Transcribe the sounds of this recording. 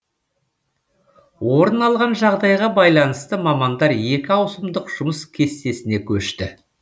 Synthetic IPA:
wo̞ɾənɑlˠʁɑnʒɑʁd̪ɑjʁɑbɑjlˠɑnəst̪əmɑmɑnd̪ɑɾje̞kʲɪɑwsəmd̪əqʒ̥ʊməskʲʰe̞st̪e̞sɪne̞kʲʰɵʃt̪ɪ

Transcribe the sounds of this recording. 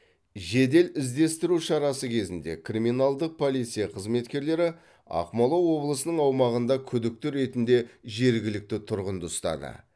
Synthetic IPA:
ʒe̞d̪e̞lɪzd̪e̞st̪ɪɾuʃɑɾɑsəkʲʰe̞zɪnd̪e̞̰krimijnalˠd̪əq̚pʰo̞lˠijt̪sijaqʰəzme̞t̪kʲe̞ɾle̞ɾɪ | ɑ̰qmɑlˠowo̞blˠəsənəɴɑwmɑʁənd̪ɑkʲʰʏd̪ɪk̚t̪ɪɾe̞t̪ɪnd̪e̞ʒe̞ɾɡʲɪlɪk̚t̪ɪt̪ʰʊɾʁənd̪əʊst̪ɑ̰d̪ə̰

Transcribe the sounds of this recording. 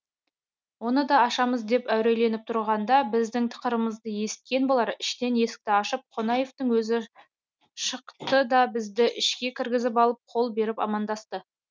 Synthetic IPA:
wo̞nəd̪ɑɑʃɑməzd̪e̞pæwɾe̞jle̞nɪp̚t̪ʰʊɾʁɑnd̪ɑbɪzd̪ɪŋt̪ʰə̥qəɾəməzd̪əje̞sɪ̥t̪̚kʲe̞nbolˠɑɾɪʃt̪e̞nje̞sɪ̥k̚t̪ɪɑʃəp̚qʰo̞nɑje̞ft̪əŋwɵzɪ | ʃəqt̪əd̪ɑbɪzd̪ɪʔɪʃkʲe̞kʲʰɪɾɡʲɪzɪpɑlˠəp̚qʰo̞lˠbe̞ɾɪpɑ̰mɑnd̪ɑst̪ə

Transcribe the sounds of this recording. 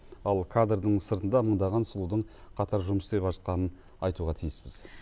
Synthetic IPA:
ɑlˠkʰad̪rd̪əɴsəɾt̪ənd̪ɑməɴd̪ɑʁɑnsʊlˠud̪əɴqʰɑt̪ɑɾʒʊməsd̪e̞pɑʒət̪̚qɑnən | ɑjt̪uʁɑt̪ʰijɪspɪz̥

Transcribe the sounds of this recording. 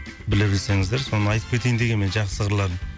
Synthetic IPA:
bɪlɪbɪlse̞ŋɪzd̪eɾso̞nənɑjt̪əpkʲʰee̞jnd̪e̞ɡʲe̞nme̞nʒɑq̪səʁʰəɾlˠɑɾən

